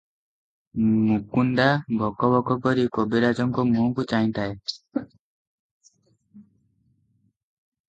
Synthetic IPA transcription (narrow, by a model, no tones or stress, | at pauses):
mukunɖabʱɔkɔbɔkɔkɔɾikobiɾad͡ʒɔŋkɔmũkut͡ʃaĩt̪ae